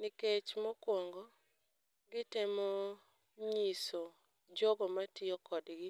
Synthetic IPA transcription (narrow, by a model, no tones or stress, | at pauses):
nɪket͡ʃmɔkwɔŋɡɔ | ɡɪtɪmɔ | ɲiso | d͡ʒɔɡɔmatɪɔkɔdɡɪ